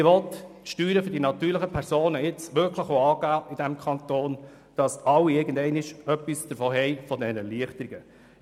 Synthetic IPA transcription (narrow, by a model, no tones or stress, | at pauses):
ɪʋɔt̪ʃtyːɾəfødinɑt̪yːɾləχəpʰɛɾsoːnəɪt͡sʋʏɾkʰləχoɑːɡ̥æːɪd̥æmkʰχɑnt̪oːn | d̥ɑsɑwːiɪɡən̩dɛɪnɪʃœpːisd̥əɾfɔːɦɛjfɔd̪ɛnəliəχtəɾiɡə